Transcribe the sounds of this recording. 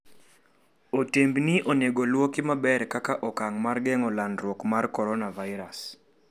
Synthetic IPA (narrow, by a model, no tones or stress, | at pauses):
otembniʔoneɡolwokɪmabɛrkakaʔɔkaŋmarɡɛŋɔlandɾwokmarkɔɾɔnavaɪɾas